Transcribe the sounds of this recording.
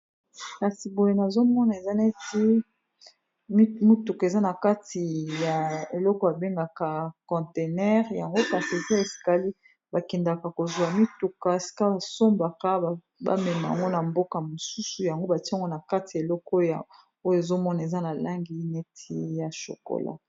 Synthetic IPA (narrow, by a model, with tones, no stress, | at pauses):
ka˨si˨bo˨je˨na˨zo˦mɔ˦na˨e˨za˦nɛ˦ti˦ | m˦mi˦tu˨ka˨e˨za˦na˨ka˦tʰi˨ja˨e˨lɔ˦kɔ˦a˨be˦ŋɡa˨ka˨kɔ̃˨te˨nɛ˦ʁja˨ŋɡo˦ka˨si˨e˨za˦e˨si̥˨ka˨li˦ | ba˨kɛ˨nda˨ka˨ko˨zwa˨mi˦tu˨ka˨si̥˨˦ka˦a˨so˦mba˨ka˦˨ | ba̰˦mɛ˨ma˨a̰˨ŋɡo˦na˨mbo˦ka˨mo˨su˦su˨ja˨ŋɡo˦ba˨ti˦˨ŋɡo˦na˨ka˦ti˨ja˨e˨lɔ˦ko˦ja˨ | o˦jo˨e˨zo˦mɔ˦na˨e˨za˦na˨la˦ŋɡi˦nɛ˦tʰi˦ja˨ʃo̰˨ko̰˨la̰˦